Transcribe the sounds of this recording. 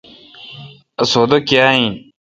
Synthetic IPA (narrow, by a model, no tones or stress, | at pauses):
ɐsoːd̪okjaːĩ